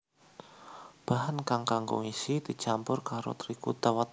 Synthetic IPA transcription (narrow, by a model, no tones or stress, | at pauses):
b̥aɦankaŋkaŋɡʊ̰ŋisid̪̥i̤t͡ʃampʊrkaɾo̰t̪ɾikut̪awat̪